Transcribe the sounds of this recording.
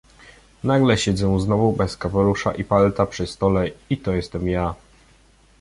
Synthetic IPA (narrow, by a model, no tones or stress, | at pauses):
naɡlɛɕɛd̪zɛznɔvubɛskapɔɾuʂa̰ʔipalt̪apʂɘst̪ɔlɛit̪ɔjɛst̪ɛmja